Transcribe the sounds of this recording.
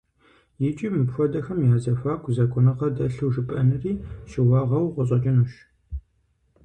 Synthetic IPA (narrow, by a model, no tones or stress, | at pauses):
jɪt͡ʃʼiːmɨpxʷɔdɐxɐmjaːzɐfaːkʷʼzɐkʷʼʊnɨqɐdɐɬɨwʐɨpʼɐnɨriːɕɪwɑːʁɐwqʷɔɕ̬ʼɐt͡ʃʼɪnuʃ